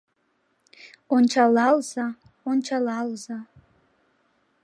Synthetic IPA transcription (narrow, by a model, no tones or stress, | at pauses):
ont͡ʃʰalalza | ont͡ʃʰalalza